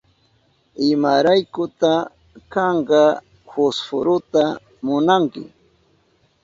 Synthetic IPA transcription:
ɪmaɾajkʊt̪a | kɑɴɢɑ | hʊsfʊɾʊt̪a | mʊnaŋkɪ̰

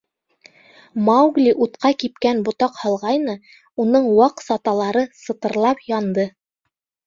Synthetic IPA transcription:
mɑwɡlʲiʔut̪qɑkip̚kænbŏt̪ɑqhɑlˠʁɑjnɤ | unɤɴwɑqsɑt̪ɑlˠɑɾɤsɤ̆t̪ɤ̆ɾlˠɑpjɑnd̪ɤ

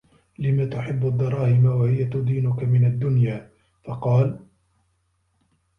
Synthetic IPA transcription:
lɪmaːt̪ʊħɪbːad̪ːɑɾˤɑːhɪmawahɪjat̪ʊd̪iːnʊkamɪnad̪ːʊnjaː | fɑqɑːl

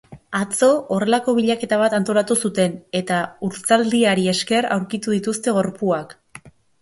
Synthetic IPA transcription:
at͡so̞ʔore̞lako̞β̞iʎake̞t̪aβ̞at̪ant̪o̞lat̪usut̪e̞ne̞t̪auɾt͡sald̪iaɾie̞ske̞ɾa̰wɾkit̪uðit̪ust̪e̞ɣo̞ɾpuak

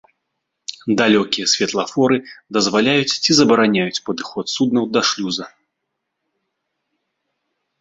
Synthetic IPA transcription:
d̪alʲɔkʲijɐsʲvʲɛt̪lˠɐfɔɾɨd̪ɐzvalʲajut͡sʲt͡sʲizɐbɐɾanʲajut͡sʲpɐd̪ɨxɔt̪sud̪̚nɐwd̪ɐʂlʲuzɐ

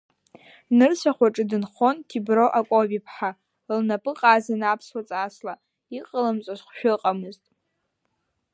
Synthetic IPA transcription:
nɨrsʷʰaχʷaʈ͡ʂʼɨdɨnχo̞ntʰibro̞ʔakʷʼobipʰħa | lnapʼɨqʼaːzanapʰswat͡sʼasla | iqʼəlamt͡ʃʷʼazχʷʃᶣʊqʼamɨztʼ

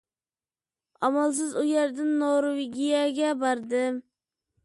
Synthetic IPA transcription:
ɑmɑlˠs̬ɨzujæɾd̪ɪnːoɾowɪɡʲijɛɡʲɛbɑɾd̪ɨm

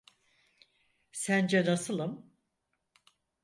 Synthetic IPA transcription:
sænd͡ʒɛnasɯlˠɯm

